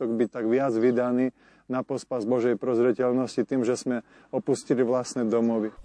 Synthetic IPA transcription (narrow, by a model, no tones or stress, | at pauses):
ɔɡbict̪aɡʋɪad͡zʋid̪aniː | napɔspazbɔʒɛjpɾɔzɾɛcɛlnɔscit̪iːmʒɛsmɛ | ɔpusciliʋlasnɛd̪ɔmɔʋi